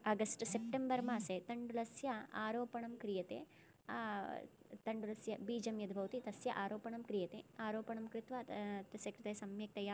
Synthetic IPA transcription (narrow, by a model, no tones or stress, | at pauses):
ɐɡɐsʈsep̚ʈembɐɾmaːset̪ɐɳɖulɐsjɐaːɾoːpɐɳɐmkɾijɐt̪ḛː | t̪ɐɳɖulɐsjɐbiːd͡ʒɐmjɐd̪ʱbʱɐʋɐt̪it̪ɐsjɐʔaːɾoːpɐɳɐmkɾijɐt̪ḛːaːɾoːpɐɳɐmkɾɪt̪ʋɐt̪ɐsjɐkɾɪt̪ɐːsɐmjɐk̚t̪ɐjaː